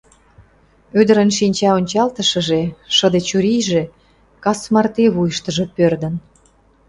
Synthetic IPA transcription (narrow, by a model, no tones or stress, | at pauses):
ød̪ə̆ɾənʃinʲt͡ɕɑonʲt͡ɕɑlt̪əʃə̆ʒeʃə̆d̪et͡ɕuɾijʒe | kɑsmɑrt̪eβujəʃt̪ə̆ʒepørd̪ən